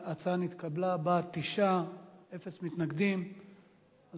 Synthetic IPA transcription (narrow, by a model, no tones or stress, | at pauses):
at͡sanit̪kablabat̪iʃae̞fesmit̪naɡd̪im | az